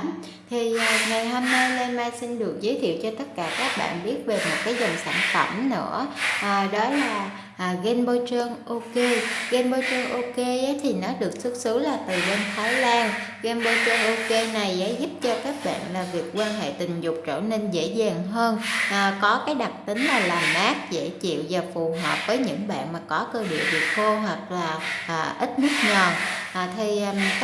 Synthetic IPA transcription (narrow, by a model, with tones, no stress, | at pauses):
m | t̪ʰi˨˩ʔŋa˨˩jɦo˧mna˧jle˧maː˧jsï˧nɗɨ˨˩ək̚zəː˨˦jt̪ʰḭ˧˨wt͡ɕɔ˧t̪ə˦˥t̚kaː˧˩kaː˦˥k̚ɓa̰ː˧˨nɓi˦˥ət̚ve˨˩mo˨˩t̚kaː˨˦jzə˨˩nsa̰ː˧˩nfə̰˧˩mnɨ̰˧˥əʔːɗɔ˨˦laː˨˩˨ | ɣɛ˧nɓo˧t͡ɕəː˧ŋʔo˧ke˧ɣɛ˧nɓo˧t͡ɕəː˧ŋʔo˧ke˧ʔə˨˦jt̪ʰi˨˩nɔ˨˦ɗɨ˨˩ək̚sə˦˥t̚sɨ˨˦laː˨˩t̪ɨ˨˩ɣe˧nt̪ʰaː˨˦jlaː˧nɣɛ˧nɓo˧t͡ɕəː˧nʔo˧ke˧na˨˩jʔɛ̰˧˦zu˦˥p̚t͡ɕɔ˧kaː˦˥k̚ɓa̰ː˧˨nlaː˨˩vi˨˩ək̚ːwaː˧nɦḛ˧˨t̪ï˨˩ŋ̟zʊ˨˩k͡p̚t͡ɕə̰ː˧˩ne˧nzḛ˧˥zaː˨˩ŋɦəː˧nʔːkɔ˨˦kaː˨˦jɗa˨˩t̚t̪ï˨˦ŋ̟laː˨˩laː˨˩mʔaː˦˥k̚zḛ˧˥t͡ɕḭ˧˨wvaː˨˩fu˨˩ɦwəː˨˩p̚vəː˨˦jɲɨ̰˧˥ŋɓa̰ː˧˨nmaː˨˩kɔ˨˦kəː˧ɗḭ˧˨əvi˨˩ət̚vo˧ɦwa˨˩k̚laː˨˩ʔːʔi˦˥t̚mɨ˦˥k̚ɲɔ˨˩nʔt̪ʰi˧